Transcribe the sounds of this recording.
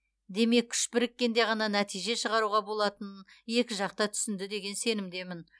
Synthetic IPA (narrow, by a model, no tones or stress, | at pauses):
d̪e̞me̞kʲʰʏ̥ʃpɪɾɪkʲːe̞nd̪e̞ʁɑnɑnæt̪ijʒe̞ʃəʁɑɾuʁɑbo̞lˠɑt̪ən | je̞kʲɪʒɑq̚t̪ɑt̪ʰʏ̥sɪnd̪ɪd̪e̞ɡʲe̞nse̞nɪmd̪e̞mɪn